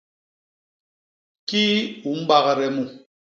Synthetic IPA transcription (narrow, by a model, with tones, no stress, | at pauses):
ki˦u˨˦m̩˦ba˦ɣa˨ɾɛ˨mu˨